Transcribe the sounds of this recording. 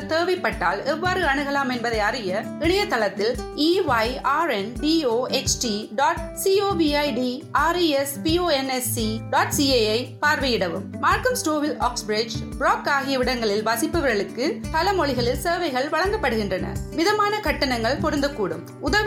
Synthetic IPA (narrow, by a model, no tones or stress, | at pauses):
t̪eːʋɐɪpːɐʈːa̰ːlɛʋːaːɾɯɐɳɯɣɐlaːmɛnbɐðɐɪɐɾɪjɐ | ɪɳɐjɐt̪ːɐlɐt̪ːɪliːʋɐɪaːɾɛnɖiːoːet͡ʃʈiɖaːʈsiːoːbiːɐɪɖiaːɾiɛspioːɛnɛsiɖaːʈsieɐɪpaːɾʋɐjɪɽɐʋɯmːaːɾkɐmsʈoːʋɪlaːksbɾɪd͡ʒbɾaːkaːɣɪjɐʋɪɽɐŋɡɐɭɪlʋɐsɪpːɐʋɐɾɣɐɭɯkːɯpɐlɐmɔɭɪɣɐɭɪlseːʋɐɪɣɐɭʋɐɭɐŋɡɐpːɐɽɯɣɪndrɐnɐ̰ʋɪðɐmaːnɐkɐʈːɐnɐŋɡɐɭpɔɾɯnd̪ɐkːuːɽɯ̰m | ʊðɐ